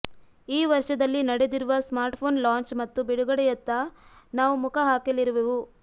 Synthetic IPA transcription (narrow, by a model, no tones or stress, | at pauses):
iːʋɐɾʂɐd̪ɐlːinɐɽed̪iɾuʋɐsmaːɾʈpʰoːnlaːɲt͡ʃmɐt̪ːubiɽuɡɐɽɛjɐt̪ːɐnaːʋumukʰɐɦaːkeliɾuʋeʋu